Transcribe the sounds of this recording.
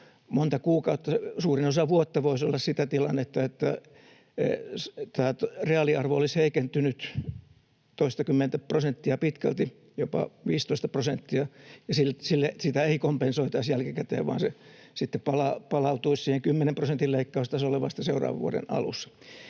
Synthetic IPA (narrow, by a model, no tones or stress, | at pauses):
mont̪ɑkuːkɑut̪ːɑsuːrinosɑʋuot̪ːɑʋoisolːɑssit̪æt̪ilɑnːet̪ːɑet̪ːæ̰ | st̪æːt̪reɑliɑrʋoolisheikent̪ynyt̪ | t̪oist̪ɑkymːent̪æprosent̪ːiɑpit̪kæ̰lt̪i | jopɑ̰ʋiːst̪oist̪ɑprosent̪ːiɑjɑsilsilːesit̪æeikompensoit̪ɑisjælkikæt̪ḛːʋʋɑ̰ːnse | sit̪ːepɑlɑpɑlɑut̪uissiːheŋkymːenemprosent̪illeikːɑust̪ɑsoleʋɑ̰st̪ːɑseurɑ̰ːʋɑ̰ʋṵoɾḛnɑ̰lṵsːɑ̥